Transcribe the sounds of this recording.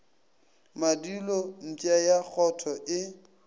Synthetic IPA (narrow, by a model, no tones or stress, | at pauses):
madilon̩t͡ʃʼajak͡xʰɔtʰɔʔɪ